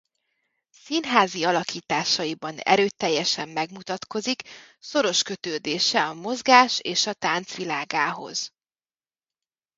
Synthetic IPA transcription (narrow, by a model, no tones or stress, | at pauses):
sinɦaːziɒlɒkiːt̪aːʃɒjibɒnɛ̰ɾøːt̪ːɛjːɛʃɛmːɛɡmut̪ɒt̪ko̞zik | so̞ɾo̞ʃkø̞t̪øːd̪eːʃɛɒmo̞zɡaːʃeːʃɒt̪aːnt̪sʋilaːɡaːɦo̞̰z̥